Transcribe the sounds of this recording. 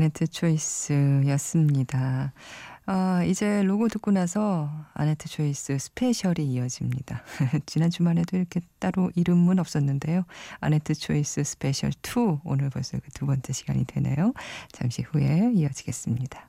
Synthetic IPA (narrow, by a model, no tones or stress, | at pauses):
ane̞tʰɯt͡ɕʰoisɯjʌs͈ɯmɲida | ʌid͡ʑe̞loɡotuk͈unasʰʌa̰ne̞tʰɯt͡ɕʰois͈ɯsʰɯ̥pʰe̞ɕʰʌɾiːʌd͡ʑimɲid̥at͡ɕinant͡ɕumane̞doiɾʌkʰe̞t͈aɾoʔiɾɯmːɯnʌp̚s͈ʌnːɯnde̞joa̰netʰɯt͡ɕʰois͈ɯsʰɯ̥pʰe̞ɕʰʌ̰ɭtʰuo̰nɯɭpʌs͈ɯkɯtubʌnt͡ɕ͈e̞ɕʰiɡa̰ɲḭdwe̞̰ne̞̰jot͡ɕa̰ŋɕʰihue̞iʌd͡ʑiɡe̞s͈ɯmɲida